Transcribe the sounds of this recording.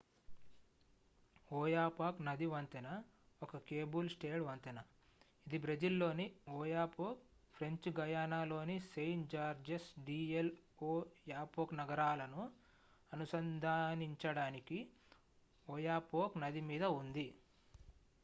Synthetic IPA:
oːjaːpaːknɐd̪iʋɐnt̪ɐnɐ | ɔkɐkeːbulsʈeːɽʋɐnt̪ɐnɐ | id̪ibɾed͡ʒilːo̞ːniɔːjaːpoːk̚pʰɾeɲt͡ʃɡɐjaːnaːlo̞ːnisejnd͡ʒaːɾd͡ʒesɖiːeloːjaːpoːknɐɡɐɾaːlɐnu | ɐnusɐnd̪ʱaːniɲt͡ʃɐɽaːniki | ɔːjaːpoːknɐd̪imiːd̪ɐund̪i

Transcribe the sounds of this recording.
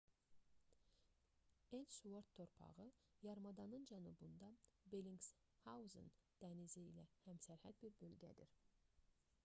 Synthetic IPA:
ensuvoɾt̪ʰːo̞ɾpʰɑ̰ʁɯjɑɾmɑd̪ɑnɯnd͡ʒænubund̪ɑbeliŋɡs | hɑuzɯ̰nd̪̥æniziːlæhæmsæɾhæd̪̚biɾbø̞lɡʲæ̰d̪iɾ

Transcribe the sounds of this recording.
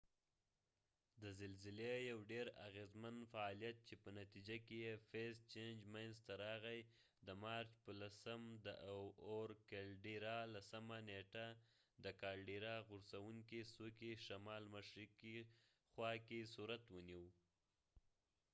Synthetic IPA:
d̪əzɪlzɪlejawɖeɾa̰ɣezmanfaːlijat̪̚t͡ʃepənat̪id͡ʒakejefest͡ʃend͡ʒmajnzt̪aɾɑɣaj | d̪əmɑɾt͡ʃpəlasəmd̪ə̰ʔwoɾkelɖiɾɑlasəmaneʈa | d̪əkɑlɖiɾɑɣʊɾsawuŋkisukeʃamɑlmaʃɾiki | xwɑkesuɾat̪wəniw

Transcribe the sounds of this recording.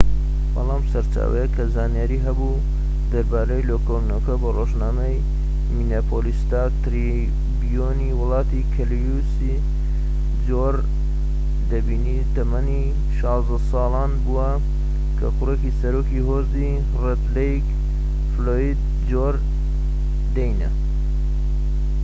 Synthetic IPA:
bɐ̰lˠɑːmsɐɾt͡ʃa̰ːwɐ̰jekʰɐzaːnijaɾiːɦɐbu | d̪ɐɾbaːɾejloːkolnoːkɐbɐroʒnaːmɐj | minapʰoːlist̪at̪ɾi | bijoniwʊlˠɑːt̪ikʰɐljusi | d͡ʒoɾ | d̪ɐbiːnit̪ɐmɐni | ʃɑːzd̪ɐsɑːlɑːnbuwɐ | kʰɐxʊreːkisɐɾoːkiɦoːzi | red̪lejk | floːid̪̚ | d͡ʒoɾ | d̪ɐjnɐ̰

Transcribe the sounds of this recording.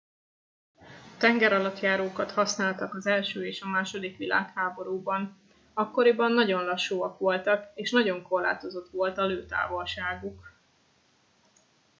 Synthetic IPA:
t̪ɛŋɡɛɾɒlɒt̪jaːɾoːkɒt̪hɒsnaːlt̪ɒkɒzɛlʃøːeːʃɒmaːʃo̞d̪ikʋila̰ːkhaːbo̞ɾuːbɒn | ɒkːo̞ɾibɒnːɒɟo̞nlɒʃːuːɒkʋo̞lt̪ɒkeːʃnɒɟo̞ŋko̞rla̰ːt̪o̞zo̞t̪ʋo̞lt̪ɒløːt̪a̰ːvo̞lʃaːɡuk

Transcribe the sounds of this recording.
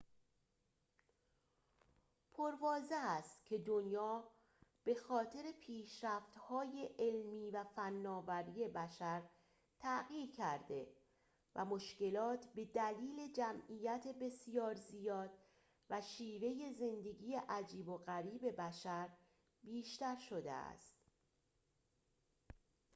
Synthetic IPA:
pʰoɾvɒːzeæst̪cʰe̞d̪onjɒː | b̥e̞xɒːt̪ʰe̞ɾe̞pʰiːʃɾæft̪hɒːje̞ʔelmiːvæfænːɒːvæɾije̞bæʃæɾ | t̪ʰæʔɣiːɾcʰæɾd̪e̞ | væ̰mo̞ʃce̞lɒːt̪ʰbe̞d̪æliːle̞d͡ʒæmʔiːjæt̪ʰe̞be̞sijɒːɾzijɒːd̪̥̚ | væʃiːve̞je̞ze̞nd̪e̞ɡʲiːje̞ʔæd͡ʒiːbo̞ɣæɾiːbe̞bæʃæɾ | biːʃt̪æɾʃod̪ḛæ̰st̪

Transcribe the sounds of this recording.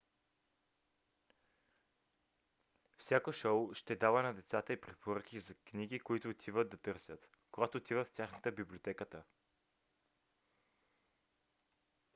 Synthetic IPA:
fsʲjakoʃowʃt̪ɛd̪avənɐd̪ɛt̪sat̪əipɾɛpʰoɾək̟izɐkniɡ̟ikoit̪ʊːt̪ʰivəd̪̚d̪ɐt̪ɤɾsʲjət̪ | koɡat̪oːt̪ivəft̪ʲaxnət̪əbibliot̪ɛkət̪ə

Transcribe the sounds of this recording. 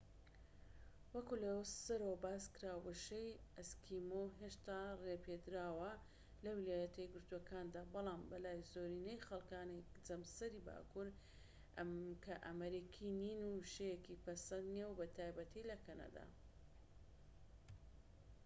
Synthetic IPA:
wɐkulɐwsɐɾobaːskɨɾaːwwɐʃejɐskʰimoɦeʃt̪aːrepʰed̪ɾaːwɐ | lɐwilaːjɐt̪ʰɐjɡɨɾt̪uɐkʰaːnd̪aːbɑlˠaːmbɐlaːjzoːɾinejxɐlˠkaːne | d͡zɐmsɐɾiba̰ːkuɾ | kʰɐʔɐmɐɾikʰininuʃejekipɐsɐnd̪nijewbɐt̪ʰaːjbɐt̪ʰilɐkʰɐnɐ̰d̪a̰

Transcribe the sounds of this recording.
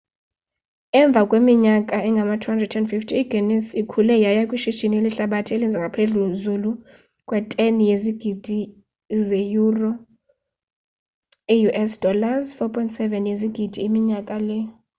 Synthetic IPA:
ɛɱb̪vʱakʼwemiɲakʼaɛŋɡʱamatʰuandrɛdtʰɛndfiftʰiːɡʱenɛsikʰulɛjajakʼwiʃiʃinieliɬaɓatʰielind͡zʱaŋɡʱapʰeɮuzulu | kʼwɛtʼenijeziɡ̥ʱid̥ʱi | zejurɔ | ijuʔɛsd̥ɔlazfɔpʰʼɔjntʼsɛvɛnjeziɡ̥ʱid̥ʱiːmiɲakʼalɛ

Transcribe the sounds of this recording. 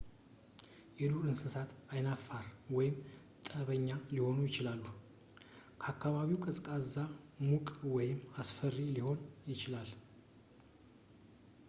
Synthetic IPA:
jɛluɾɨnsɨsat̪ajnafːaɾwɔjɪm | t̪ʼəβəɲːaliho̞nujɪt͡ʃɪlalːu | kʰəakʰːaβaβiwkʼəsʼkʼazamukʼwɔjɪmasfərːiliho̞njɪt͡ʃɪlal

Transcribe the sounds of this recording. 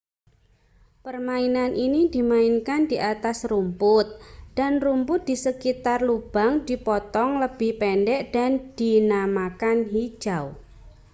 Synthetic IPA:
pərmainanʔinid̥imaɪnkandiʔat̪asrumpʊt̪̚d̥anrumpʊt̪̚d̥isəkit̪arlub̥aŋdipɔt̪ɔŋləb̥ɪhpɛnɖɛʔd̥and̥inamakanɦi̥ʒ̥aw

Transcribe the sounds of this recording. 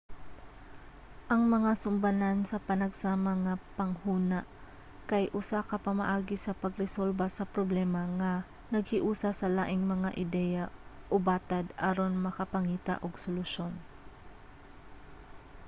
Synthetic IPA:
ʔɐŋmɐŋasʊmbɐnansɐpɐnɐɡsaːmɐŋapɐŋhuːna | kɐjʔʊsakɐpɐmɐ̰ʔaːɡɪsɐpɐɡɾɛsolbɐsɐpɾoblɛːmɐŋɐ | nɐɡ̚hɪʔuːsɐsɐlaːʔɪŋmɐŋaʔɪd̪ɛjɐʔʊbaːt̪ɐd̪ʔaɾo̞nmɐkɐpɐŋiːt̪ɐ̰ʔoɡsolʊʃo̞n

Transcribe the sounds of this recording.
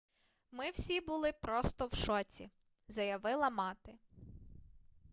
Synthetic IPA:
mɪwsʲibʊlˠɪpɾɔst̪ɔwʃɔt͡sʲḭ | zɐjɐʋɪlˠɐmɑt̪ɪ

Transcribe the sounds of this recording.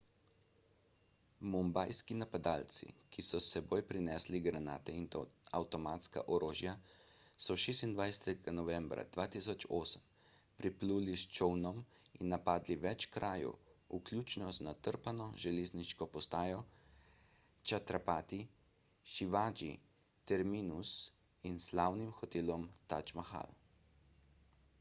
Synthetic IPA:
mumbajskinapad̪aːlt̪sḭkisɔsɛboːjpɾinɛːsliɡɾanaːt̪ɛinawt̪ɔmaːt̪ska̰ʔɔɾoːʒjasɔʃeːst̪ind̪ʋajsɛ̥t̪ɛɡanɔʋɛmbɾa̰d̪̥ʋaːt̪isɔt͡ʃoːsəm | pɾipluːlist͡ʃɔwnɔm | inːapaːd̪liʋɛt͡ʃkɾʔaːjṵuklʲjuːt͡ʃnɔznat̪əɾpanɔʒɛleːzniʃkɔpɔst̪aːjɔ | t͡ʃat̪ɾapaːt̪i | ʃiʋaːd͡ʒḭ | t̪ɛɾmiːnus | inslaːwnimxɔt̪eːlɔmt̪at͡ʃmaxa̰l

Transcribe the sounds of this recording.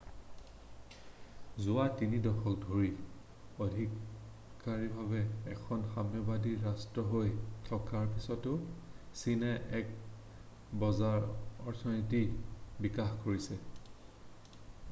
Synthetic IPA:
zʊatinidɔxʰɔk̚dʱoɹi | odʱikː | aɹibʱabɛːkʰɔnxamjɔbadiɹastɹɔɦojtʰɔkaɹpisɔtʊsinɛʔɛk | bɔzaɹɔɹtʰɔnitibikaxkoɹisɛ

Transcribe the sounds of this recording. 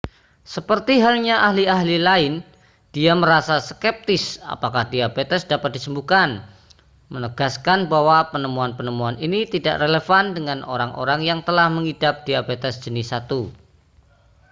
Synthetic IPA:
səpərt̪iɦalɲaʔaɦliaɦlilaɪn | d̥iaməɾasaskɛp̚t̪ɪsa̰pakahdiabet̪ɛsdapat̪̚d̥isəmbukan | mənəɡ̥askanbawapənəmuanpənəmuaninit̪ida̰ʔreləfandəŋano̰ɾaŋʔo̰ɾaŋjaŋt̪əlahməŋidap̚d̥iabet̪ɛsd͡ʒ̥ənɪsːat̪u

